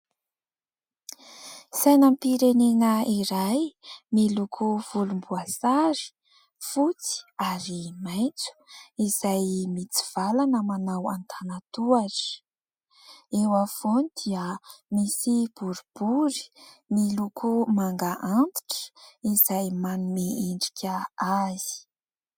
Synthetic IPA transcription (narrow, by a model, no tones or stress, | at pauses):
sajnampiɾenenəiɾajmilukʰuv̥ulumbuasaɾi̥ | fut͡si̥aɾimajnt͡su̥iz̥ajmit͡si̥v̥alanəmanawant̪ʰanat̪uaʈ͡ʂə̥ | ewav̥onid̪̥iəmisib̥uɾub̥uɾi̥milukʰumaŋɡaʔant̪i̥ʈ͡ʂə̥izajmanumeeɳɖ͡ʐikʲəaz̥i̥